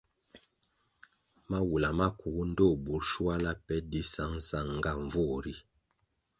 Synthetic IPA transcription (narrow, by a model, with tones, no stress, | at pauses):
ma˦wu˨la˨ma˦ku˨ɡu˦n̩˦do˦˨bu˨˦ɾʃu˦a˦la˦pɛ˦di˦sa˦ŋ˦sa˦˨ŋ˦ɡa˦˨ɱ˨vo˦˨ɾi˦